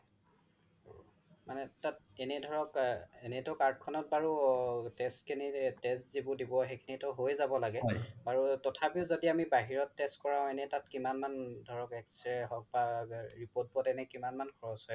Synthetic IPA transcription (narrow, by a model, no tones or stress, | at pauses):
manɛtat̚ɛnɛdʱɔɹɔkɛnɛtɔkaɹd̚kʰɔnɔt̚baɹutɛstkʰinitɛstzibʊdibɔxekʰinitɔɦojzabɔlaɡɛbaɹutɔtʰapiʊzodiamibaɦiɹɔtːestkɔɹãʊ̃ɛnɛtatkimanmandʱɔɹɔkɛkstɹɛɦɔk̚baɹipot̚bɔtɛnɛkimanmankʰɔɹɔsɦɔj